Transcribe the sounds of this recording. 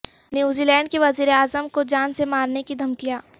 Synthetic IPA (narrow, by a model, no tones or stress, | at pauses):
njuːzilɛ̃ːɳɖ̚keʋɐziːɾeaːzəmkod͡ʒaːnsemaːɾnekid̪ʱɐmkijaː